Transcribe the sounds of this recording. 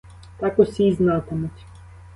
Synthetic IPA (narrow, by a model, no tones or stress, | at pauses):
t̪ɑkɔsʲijznɑt̪emʊtʲ